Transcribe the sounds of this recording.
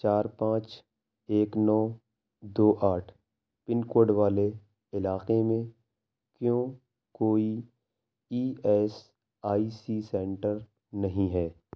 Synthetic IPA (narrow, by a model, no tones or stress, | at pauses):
t͡ʃaːɾpãːt͡ʃ | eːknɔː | d̪oːʔaːʈʰ | pɪnkoːɾɖʋaːle | ɪlaːqemẽ | kjõː | koːi | iːɛːs | aːiːsisɛ̃ːɳʈəɾ | nɐɦĩɦɛː